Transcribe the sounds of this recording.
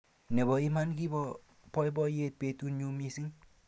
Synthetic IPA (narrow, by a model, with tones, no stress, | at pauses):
nɛ˨bɔ˨i˦ma˦nki˦bɔ˧ | pɔ˦jbɔ˦je˦t̚pe˨tu˦nɲu˧mi˧si˦ŋ